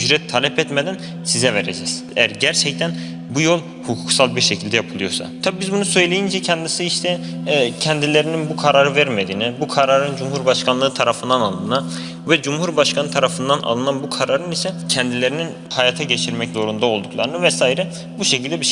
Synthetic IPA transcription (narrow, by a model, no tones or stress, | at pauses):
yd͡ʒɾɛt̪ʰːaːlʲɛpʰɛt̪med̪æn | sizɛveɾed͡ʒɛz̥ | ejæɾɟæɾt͡ʃʰɛct̪ʰæn | bujo̞lˠ | hukʰuksalˠbiɾʃecʰild̪ɛjapʰɯlˠɯjo̞sa̰t̪ʰabibizbunusø̞jlʲejind͡ʒɛcʰɛnd̪isiiʃt̪ʰɛ | cʰɛnd̪ilʲe̞ɾininbukʰaɾaːɾɯvæɾmed̪iːnibukʰaɾaɾɯnd͡ʒumɦuɾbaʃkʰanlˠɯːt̪ʰaɾafɯnd̪analˠd̪ɯna | vɛd͡ʒumhuɾbaʃkʰanɯt̪ʰaɾafɯnd̪anʔa̰lˠɯnanbukʰaɾaɾɯnisɛcʰɛnd̪ilʲe̞ɾinin | hajaːt̪ʰaɟet͡ʃʰiɾmɛczo̞ɾund̪ao̞lˠd̪ukʰlˠaɾɯnɯvɛsaːjiɾɛ | buʃecʰilʲd̪ɛbiʃ